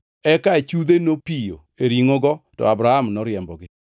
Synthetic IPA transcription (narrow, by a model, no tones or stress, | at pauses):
ɛkaet͡ʃud̪enopijo̰ | eɾiŋoɡɔtɔ̰abɾahamnɔɾɪjɛmbɔɡɪ